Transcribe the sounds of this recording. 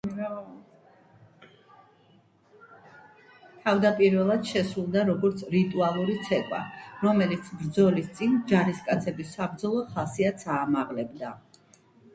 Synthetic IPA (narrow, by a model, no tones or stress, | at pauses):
t̪ʰavd̪apʼiɾvɛlˠad̪̥ʃɛsɾulˠd̪aɾɔɡɔɾt̪sʰɾit̪ʼualˠuɾit̪sʰɛkʼwa̰ɾɔmɛlit̪sʰbɾd̪zɔlist̪sʼind͡ʒaɾiskʼat̪sʰɛbisabɾd̪zɔlˠɔχasiat̪sʰaːmaʁlɛbd̪a